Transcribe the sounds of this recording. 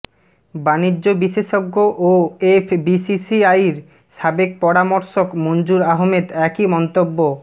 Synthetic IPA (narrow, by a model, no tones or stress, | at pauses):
baniːobiʃeʃoɡːoʔoefbisisiajɾ | ʃabek̚pɔɾamoɾʃokmond͡ʑuɾaɦmed̪ɛkimɔnt̪obːo